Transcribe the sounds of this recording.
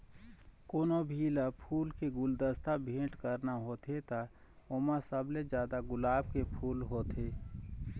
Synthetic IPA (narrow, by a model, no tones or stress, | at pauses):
koːnobʱiːlapʰuːlkeɡʊld̪əst̪abʱẽːʈkəɾnaɦoːt̪ʰet̪a | omãsəbled͡ʒjaːd̪aɡʊlaːb̚kepʰuːlɦoːt̪ʰeː